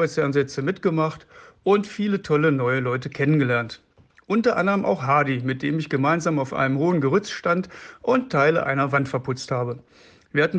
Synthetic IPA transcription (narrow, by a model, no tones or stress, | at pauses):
aɪsfɛɐnzɛt͡səmɪtɡ̥əmaχtʔʊntfiːlətʰɔlənɔʏəlɔʏtəkʰɛnənɡəlɛɐnt | ʔʊntɐʔa̰ndəʁəmʔa̰ʊxhaɐdimɪt̚d̥eːmɪçɡ̥əmaɪnzaːmaʊfʔa̰ɪnəmhoːənɡəʁʏt͡sʃtantʔʊnttʰːaɪləʔa̰ɪnɐvantfɛɐpʰʊt͡sthaːbə | viːɐhatn̩